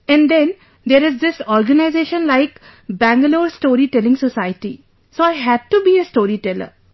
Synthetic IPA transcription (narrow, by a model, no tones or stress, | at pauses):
ɛ̃nɖd̪ɛ̃n | d̪eːɾɪzd̪ɪsɔːɾɡənaɪzeːʃə̃nlaɪk | bæ̃ŋɡəloːɾsʈoːɾiʈɛlɪ̃ŋsosaɪʈḭ | soːaɪɦæɖ̚ʈubiːesʈoːɾiʈɛlə̰ɾ